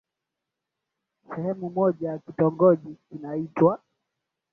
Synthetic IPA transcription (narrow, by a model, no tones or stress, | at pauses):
sɛhɛmumɔʄajakitɔŋɡɔʄiinaitwa